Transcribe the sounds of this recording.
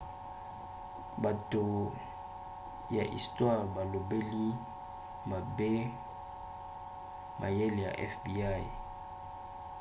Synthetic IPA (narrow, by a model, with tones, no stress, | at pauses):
ba˨to˨ | ja̰˨ʔḭ˨stwa˦˨ʁba˨lo˨be˦li˦ | ma˨be˦ | mʔa̰˨je˦le˨ja̰˨ʔɛ̰˦fbi˨a˦˨